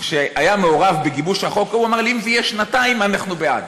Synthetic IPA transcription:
ʃeajameoʁavbeɡibuʃhaχokauamaʁlimzɛjeʃnataimanaχnubea̰d

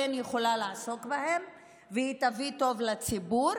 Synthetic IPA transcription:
enjeχo̞laleaso̞kbahem | vehit̪avit̪o̞vlat͡sibuɾ

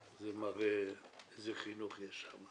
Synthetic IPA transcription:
zemaʁeezeχinuχjɛʃama

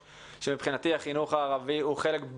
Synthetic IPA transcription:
ʃemipχinatiaχinuχaːʁaviuχe̞le̞kb

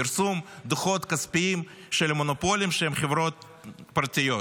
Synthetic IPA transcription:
iɾsumd̪uχo̞t̪kɐspiim | ʃelmonopo̞lʲimʃeemχevɾo̞t̪̚ | paɾt̪ʲijo̞

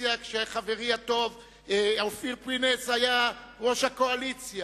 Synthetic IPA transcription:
jakʃeχave̞ʁiat̪o̞v | awfiʁpineshajaʁo̞ʃhako̞alit͡sja

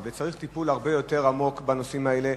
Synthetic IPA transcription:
vet͡saʁiχt̪ipulaʁbe̞jo̞te̞ʁamo̞kbano̞simaele

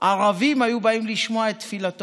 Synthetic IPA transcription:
ʔaʁavimajubaimliʃmoaet̪ːfilat̪

